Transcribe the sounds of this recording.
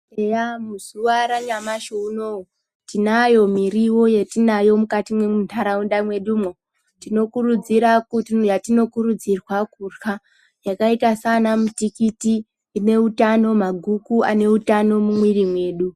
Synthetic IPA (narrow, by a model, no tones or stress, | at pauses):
ejamuz̥uwaɾaɲamaʃounou | tinajo̞miriwo̞je̞tinajo̞mukatimwe̞muntʰaɾaundamwe̞ɗuːmo | tino̞kurud͡ziɾakujatino̞kuɾud͡zirwakurxa | jakaitasanamutikitiː | ne̞utano̞maɡʱukua̰ne̞utano̞mumwirimwe̞ːɗu